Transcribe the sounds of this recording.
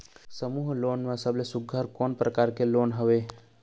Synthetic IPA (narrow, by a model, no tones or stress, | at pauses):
səmuːɦloːnmãsəblesʊɡʱːəɾkoːnpɾəkaːɾkeloːnɦəʋe